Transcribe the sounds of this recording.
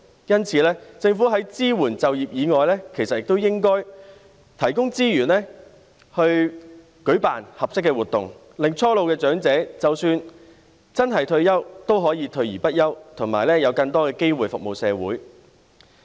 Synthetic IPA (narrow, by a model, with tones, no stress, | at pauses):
jɐ˥nt͡sʰiː˨˧lɛː˥t͡sɪ˧ŋfuː˨˥ɦɐ˨˥jt͡siː˥wuː˨˩nt͡sɐ˨wjiː˨p̚jiː˨˧ŋɔː˨jlɛː˥kʰe˨˩jsɐ˨t̚jɪ˨k̚t̪o˥wjɪ˥ŋkɔː˥j | t̪ʰɐ˨˩jkʊ˥ŋt͡siː˥jyː˨˩nlɛː˥ | hɵ˧ɥ | kɵ˨˥ɥpa̰ː˨nhɐ˨p̚sɪ˥k̬ːɛː˧wuː˨˩t̪ʊ˨˩ŋ | lɪ˨ŋt͡sʰɔː˥lo˨wkɛː˧t͡ʃœː˨˥ŋt͡sɛː˨˥t͡sɐ˨wsyː˧n | t͡sɐ˥nɦɐ˨jt̪ʰɵ˧ɥjɐ˥wt̪o˥wɦɔː˨˥jiː˨˧t̪ʰɵ˧ɥjiː˨˩pɐ˥t̚jɐ˥wt̪ʰʊ˨˩ŋmaː˨˩jlɛː˥jɐ˨˧wkɐ˧ŋt̪ɔː˥kɛː˧ke˥jwuː˨jfʊ˨k̚mo˨˩wsɛː˨˧wuː˨˥j